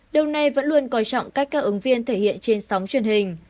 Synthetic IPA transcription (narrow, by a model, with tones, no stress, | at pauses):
ɗi˧wna˧jvə̰˧˥nlu˧ənkɔ˨˧t͡ɕɔ̰˧˨wŋ͡mkaː˦˥k̚kːaː˧˥k̚ʔɨ˨˦ŋvi˧ənt̪ʰe˧˩hḭ˧˨ənt͡ɕe˧nsa˨˦wŋ͡mt͡ɕwi˧˩ənhï˨˩ŋ̟